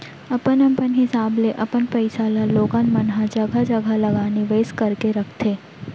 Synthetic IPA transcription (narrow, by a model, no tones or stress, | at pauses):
ɐpənɐmpənɦɪsaːbleʔɐpənpɛɪsaːlaloːɡanmɐnɦad͡ʒɐɡad͡ʒɐɡalɐɡaːneʋeːskɐɾkeɾɐkʰt̪ʰeː